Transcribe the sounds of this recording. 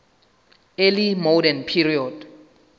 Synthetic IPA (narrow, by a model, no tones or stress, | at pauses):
elimodɛnpʰiriɔd